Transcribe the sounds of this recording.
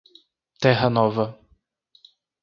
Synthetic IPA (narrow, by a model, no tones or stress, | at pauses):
t̪ɛɦɐnɔvɐ